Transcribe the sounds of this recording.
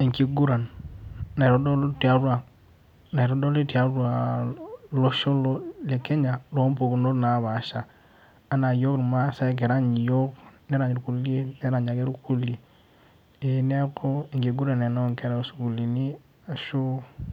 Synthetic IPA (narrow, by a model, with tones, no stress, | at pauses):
i˨ŋki˨ɡu˦ɾa˨nna˨ɾo˦do˦lu˦ti˨a˦ɾu˦a˨ | na˨ɾo˦do˦li˦ti˨a˦ɾu˦a˨ | lo˦ʃo˦lo˦le˨ke˦ɲa˨lo˦mpo˨ku˨no˦na˨˦βa˨ʃaː˨˦ | na˨jo˦kɾma˦sa˦k̬e˨ɾa˦ɲi˨jo˦kne˦ɾa˨ɲ˨ɾu˨ku˦le˦nɛ˦ɾa˨ɲa˨ɡe˦ɾu˦ku˦li˨ | e˨ne˦ko˦i˨ŋki˨ɡu˦ɾa˨ne˨no˦ŋke˦ɾa˦su˨ɡu˨li˨ni˦ | a˨ʃu˦